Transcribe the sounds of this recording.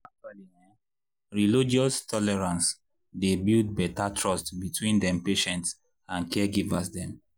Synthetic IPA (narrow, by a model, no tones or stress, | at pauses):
at͡ʃali | ɹilid͡ʒiɔstɔlɛɹãns | debild̚bɛtatʰɹɔstbitʰwĩndɛ̃mpeʃɛ̃nts | ãnkɛɡivasdɛ̃m